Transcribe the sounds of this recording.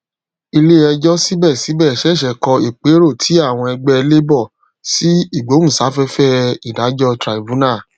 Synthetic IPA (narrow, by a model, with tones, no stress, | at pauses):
i˧le˦ɛ˧d͡ʒɔ˦si˦bɛ˦˨si˨˦bɛ˦˨ʃɛ˨˦˨ʃɛ˨kɔ˧i˨k͡pe˨˦ɾo˦˨tʰi˨˦a˦˨w̃ɔ̃˧ɛ˧ɡ͡bɛ˦˧le˦bɔ˦˨ | si˦i˦˨ɡ͡bo˨˦ũ˦˨sa˨˦fɛ˦fɛ˦i˨da˨˦d͡ʒɔ˦tɾa˨i˨bũ˨˦na˦˨